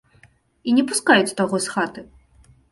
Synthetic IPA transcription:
inʲɛpuskajut͡sʲt̪aɣɔsxat̪ɨ

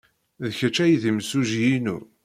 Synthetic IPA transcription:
ðçət͡ʃːæjðimsuʒjinṵ

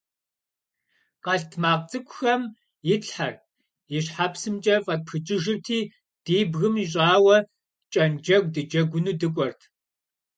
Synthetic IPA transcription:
qɐɬtʰmaːqt͡sʼɨkʷʰʼʊxɐm | jɪɬħar | jɪɕħapsɨmt͡ʃʼɐfʼɐpʰɨt͡ʃʼɪʒɨrtʰiː | d̥iːbɣɨmiɕ̬ʼaːwɐ | t͡ʃʼɐnd͡ʒɐɡ̚ʷdɨd͡ʒɐɡʷʊnuːdɨkʷʼɔrtʰ

